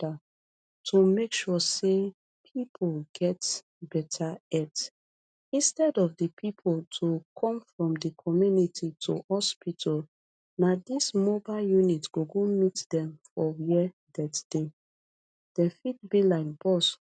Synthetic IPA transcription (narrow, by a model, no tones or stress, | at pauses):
a | tʰomekʃɔse | pʰipʰolɡɛt | bɛtʰaɛt | ĩnstɛdɔfdəpʰipʰoltʰukʰɔ̃mfɹɔ̃mdəkʰɔmjunitʰitʰo̰hɔspitʰɔl | nadismɔbaljunitɡ̥oɡomitdɛ̃mfɔjiɛ | dɛtd̥e | d̥ɛ̃fid̚bilaɪk̚b̥ɔs